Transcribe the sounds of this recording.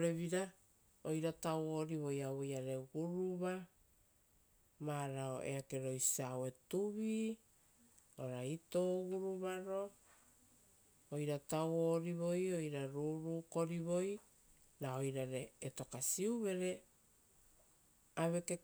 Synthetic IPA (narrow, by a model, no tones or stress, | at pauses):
ɾeβiɾa | ojɾatawo̞ɾiβo̞jawojaɾeɡuɾuβa | maɾao̰ʔe̞̰ake̞ɾo̞jsawe̞tuβi | oɾaitoɡuɾuβaɾo̞ | ojɾatawoɾiβo̞jo̞jɾaɾuɾuːko̞ɾiβo̞j | nao̞jɾaɾeːto̞kasiuβe̞ɾe | aβe̞ke